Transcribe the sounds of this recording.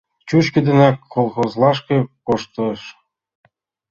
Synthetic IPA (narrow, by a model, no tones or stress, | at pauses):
t͡ɕuɕkɘ̆d̪ĕnækʰːolˠxozlˠɑʃkĕkoʃt̪ɤ̆ʃ